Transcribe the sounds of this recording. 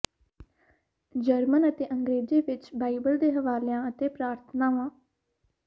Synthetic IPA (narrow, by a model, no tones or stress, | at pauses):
d͡ʒəɾmənət̪eːʔəŋɡɾeːd͡ʒeːʋɪt͡ʃbaːibəld̪eːɦəʋaːlejãːət̪eːpɾaːɾt̪ʰənaːʋãː